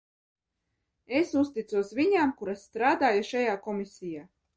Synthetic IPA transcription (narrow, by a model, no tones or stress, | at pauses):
esust̪it̪suɔsvʲiɲaːmkuɾasːt̪ɾaːd̪aːjuʃajaːkɔmʲisʲijaː